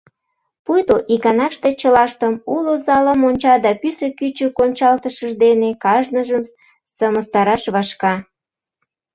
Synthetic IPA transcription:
pujt̪oʔikɑnɑʃt̪et͡ɕəlɑʃt̪əmulozɑləmonʲt͡ɕɑd̪ɑpysøkyt͡ɕøkonʲt͡ɕɑlt̪əʃəʒd̪enekɑʒnəʒəm | səməst̪ɑɾɑʃβɑʃkɑ

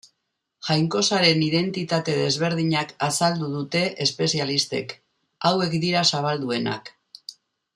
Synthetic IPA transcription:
ʝajŋko̞saɾe̞niðe̞nt̪it̪at̪e̞ðe̞zβ̞e̞ɾð̞iɲakasald̪uðut̪e̞ʔespe̞sialist̪e̞̰k | awe̞kd̪iɾasaβ̞ald̪ue̞na̰k

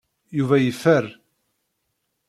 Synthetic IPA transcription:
juvæjəfːər

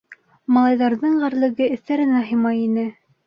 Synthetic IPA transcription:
mɑlˠɑjðɑɾðɤɴɢæɾlˠɘ̆ɡɘɘ̆θt̪æɾɘ̆næɦɤ̆jmɑjinɘ

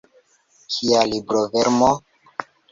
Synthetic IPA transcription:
kʰialibɾoveɾmo

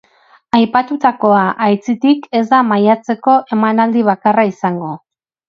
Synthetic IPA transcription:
ajpat̪ut̪ako̞aʔajt͡sit̪ike̞zd̪amajat͡se̞ko̞ʔe̞manald̪iβ̞akaraisaŋɡo̞

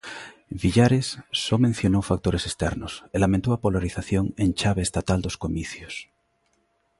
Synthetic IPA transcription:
βiʎaɾesːomẽn̟θjonowfak̚t̪oɾesest̪ɛɾnoselamẽnt̪oapolaɾiθaθjoŋent͡ʃaβ̞eːst̪at̪ald̪oskomiθjos

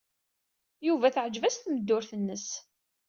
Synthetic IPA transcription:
juvæθəʕəd͡ʒvæsθməd̪ːʊɾθənːəs

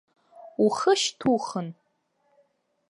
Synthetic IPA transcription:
uχəʃtʰuχən

